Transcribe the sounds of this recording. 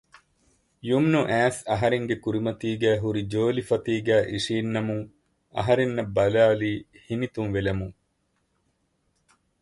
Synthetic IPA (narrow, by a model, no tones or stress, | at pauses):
jumnuʔæːsɐɦɐɾeŋɡekuɾimɐt̪iːɡæːɦuɾid͡ʒoːlifɐt̪iːɡæːʔiʂiːnːɐmuŋ | ɐ̰ɦɐɾenːɐbɐlaːliː | hinit̪unʋelɐmuŋ